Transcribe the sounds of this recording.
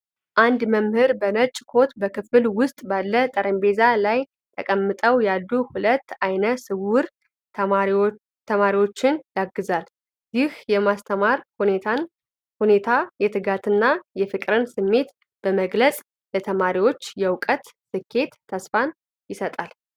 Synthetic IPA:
ʔand̪məmhɨɾbənət͡ʃʼkʰo̞t̪bəkʰɨfɨlwʊst̪ʼbalːət̪ʼəɾəmbe̞zalaj | t̪ʰəkʼəmːɨt̪ʼəwjalːuhulət̪ːajnəsɨwʊɾ | t̪ʰəmaɾiwo̞t͡ʃːɪnjaɡɨzal | jɪhjɛmast̪ʰəmaɾ | hunet̪ʰajɛt̪ʰɨɡat̪ɨnːajɛfɨkʼɾɨnsɨmːe̞t̪ | b̥əməɡləsʼ | lət̪ʰəmaɾiwo̞t͡ʃːjɛwkʼət̪sɨkʰːe̞t̪ʰːəsfan | jɪsət̪ʼal

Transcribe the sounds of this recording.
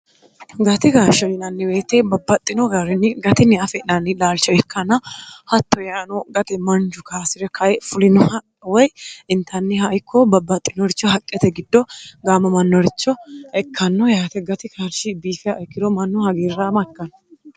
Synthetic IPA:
ɡɐt̪ɪkaːɾʃɐɾɪnɐnːɪwe̞ːt̪ːɛbɐbːɐt̪ʼːɪnɔɡɐɾɪnːɪɡɐt̪ɪnːɪɐfɛnɐnːɪlaːlt͡ʃːɔɛkʰːɐnɐhɐt̪ːɔjaːnɔɡɐt̪ɛmɐnd͡ʒʊkʰaːsɪɾɛkʰɐjɛfʊlɪnɔhɐ | wɔjɪnt̪ʰɐnːɪɦɐɪkʰːɔbɐbːɐt̪ʼːɪnɔɾɪt͡ʃːɔɦɐkʼːɛt̪ɛɡɪd̪ːɔɡaːmɐmɐnːɔɾɪt͡ʃːɔɛkʰːɐnːɔjaːt̪ɛɡɐt̪ɪkʰaɾʃɪbiːfɪaʔɛkːɪd̪ɔmɐnːɔhɐɡiːrːamɐkːɐn

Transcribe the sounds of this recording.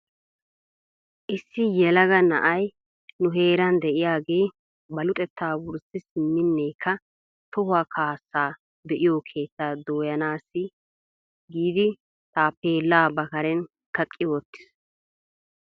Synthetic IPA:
ʔɪsːɪjɛlɐɡɐnɐ̰ʔɐj | nʊɦe̞ːɾɐnd̪ɛʔɪjaːɡe̞ː | bɐlʊt̪ʼɛt̪ʰːaːwʊɾsɪsɪmːɪnːeːkʰːɐ | t̪ɔhʊaːkʰaːsːaː | bɛʔɪjoːkʰe̞ːtt͡sːaːd̪oːjɐnaːsːɪ | ɡiːd̪ɪ | t̪aːpːeːlːaːbɐkɐɾɛn | kɐkʼːɪwɔt̪ːɪ̥s

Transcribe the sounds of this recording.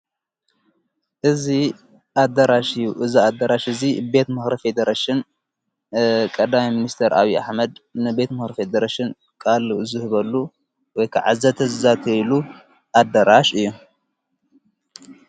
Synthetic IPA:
ʔɨzi | ʔad̪ɐɾaʃɨjːuʔɨziad̪ɐɾaʃʔɨzibe̞t̪mɨxɾife̞d̪ɐɾaʃɪn | kʼɐd̪amiminist̪ʰeɾa̰βia̰ħmɐd̪nɨbe̞t̪mɨxɾifed̪ɐɾaʃɪn | kʼalzɨhɨβɐlːu | wɔjkʰa̰ʕazɐt̪ʰɐzɨzat̪ʰɐlu | ʔad̪ɐɾaʃɨjːu

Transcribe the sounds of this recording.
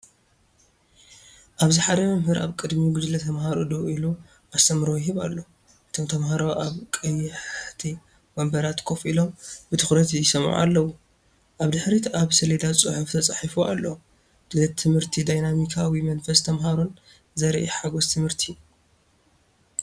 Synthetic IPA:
ʔaβzɨħad̪ɐmɐmɦɨɾʔa̰βkʼɨd̪miɡud͡ʒ̪lɐt̪ʰɐmhaɾo̰d̪oilu | ʔast̪ʰɐmɾojɪɦɨβa̰lːo̞ | ʔɨt̪ʰo̞mt̪ʰɐmɦaɾoʔaβkʼɐjɪħt̪ʰi | bɐmbɐɾat̪kʰofilo̞mbɨt̪ʰɨ̥xɾɐt̪jɪsɐmʕṵa̰lːɐwu | ʔaβd̪ɨħɾit̪aβsɐled̪at͡sʼɨħuft̪ʰɐt͡sʼaħifuʔa̰lːo | d̪̥lɐt̪ʰɨmhɨɾt̪ʰid̪ajnamikʰawimɐnfɐst̪ʰɐmɦaɾon | zɐɾʔiħaɡost̪ʰɨmɨɾt̪ʰi

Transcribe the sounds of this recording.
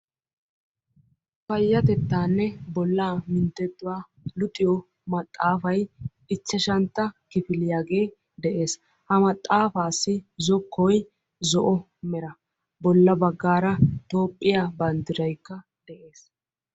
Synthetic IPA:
fɐjːɐt̪ɛt̪ːaːnːɛbɔlːaːmɪnt̪ːɛd̪ːʊwaː | lʊt̪ʼɪjɔ | mɐt̪ʼːaːfɐj | ɪt͡ʃːɐʃɐnt̪ːɐkɪfɪlɪjaːɡe̞ː | d̪ɛʔe̞ːs | hɐmɐt̪ʼːaːfaːsːɪzɔkːɔj | zɔʔɔ | mɛɾɐ | bɔlːɐbɐɡːaːɾɐt̪o̞ːpʼːɪjaːbɐnd̪ɪɾɐjkːɐ | d̪ɛʔe̞ːs

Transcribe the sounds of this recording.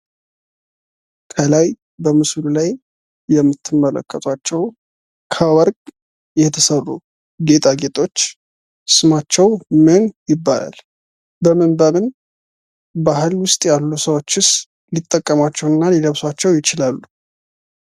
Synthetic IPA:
kʰəlaj | bəmɨslulajː | ɛmːɨt̪ʰːɨmːələ̰kʼːət̪ʼwat͡ʃːɛw | kʰəwɔɾkʼ | jɛt̪ʰəsərːṵ | ɡe̞t̪ʰʼaɡe̞t̪ʼo̞t͡ʃː | sɨmat͡ʃːɛwmɨnjɪbːa̰la̰l | bəmɨnbəmɨn | baɦɨlwʊst̪ʼjalːusəwo̞t͡ʃːɨs | lit̪ʼːəkʼːəmat͡ʃːɛwɨnːaliləβswat͡ʃːɛwjɪt͡ʃɪlalːu

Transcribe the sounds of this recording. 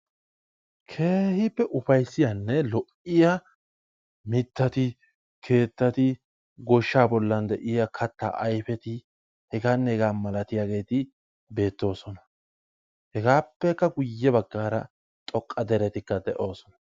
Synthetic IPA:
kʰe̞ːhɪpːɛʔʊfɐjsːɪjanːɛlɔʔɪja | mɪt̪ːɐt̪ɪ | kʰe̞ːt̪ːɐt̪ɪ | ɡɔʃːaːbɔlːɐnd̪ɛʔɪjakʰɐt̪ːa̰ːʔɐjfɛt̪ɪ | hɛɡaːnːɛhɛɡaːmɐlɐt̪ɪjaːɡe̞ːt̪ɪ | be̞ːt̪ːo̞ːsɔnɐ | hɛɡaːpːɛkːɐɡʊjːɛbɐɡːaːɾɐ̰ | t̪ʼɔkʼːɐd̪ɛɾɛt̪ɪkːɐd̪ɛʔo̞ːsɔnɐ

